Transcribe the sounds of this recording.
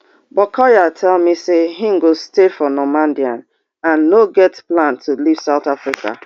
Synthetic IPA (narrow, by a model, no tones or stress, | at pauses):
bɔkʰɔjatʰɛlmiseɦĩŋ̩ɡostefɔnɔmãndiãn | ãnːoɡɛtplãntʰuliv̥saʊtafɹika̰